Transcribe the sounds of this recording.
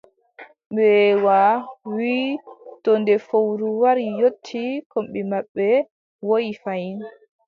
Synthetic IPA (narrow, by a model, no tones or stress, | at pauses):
ɓɛwawiːtɔndɛfowɾuwaɾijotʰːikɔmɓɛmaɓːɛ | wojifajin